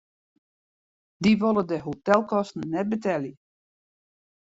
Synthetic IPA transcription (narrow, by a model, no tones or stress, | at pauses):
diʋolˠədəɦotɛlˠkɔstn̩nɛt̚bətɛljə